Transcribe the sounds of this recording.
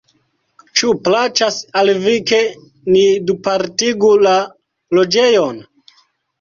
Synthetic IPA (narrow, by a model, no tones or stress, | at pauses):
t͡ʃuplat͡ʃasalvike̞ | nidupaɾtiɡula | lo̞d͡ʒe̞jon